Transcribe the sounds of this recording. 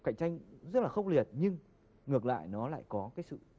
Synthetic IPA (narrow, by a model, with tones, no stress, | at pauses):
ka˧˩jk̟̚t͡ɕa˧jŋ̟zə˦˥t̚laː˨˩xə˧wŋ͡mli˨˩ət̚ɲɨ˧ŋ | ŋɨ˨˩ək̚la̰ː˧˨jnɔ˨˦la̰ː˧˨jkɔ˨˦kaː˨˦jsɨ̰˧˨